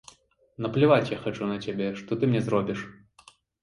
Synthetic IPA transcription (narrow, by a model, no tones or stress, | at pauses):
nɐplʲivat͡sʲjaxat͡ʂunɐt͡sʲabʲɛʂt̪ɔt̪ɨmnʲɛzrɔbʲiʂ